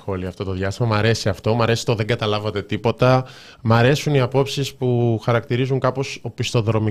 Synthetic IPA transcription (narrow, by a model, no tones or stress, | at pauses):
oliɐft̪o̞t̪o̞ðjʝɐst̪imɐmɐɾe̞siɐft̪o̞mɐɾe̞si̥t̪o̞ðeŋɡɐt̪ɐlɐvɐt̪e̞t̪ipo̞t̪ɐ | mɐɾe̞suniɐpo̞psispuxɐɾɐkt̪iɾizuŋkɐpo̞sopist̪o̞ðɾo̞mi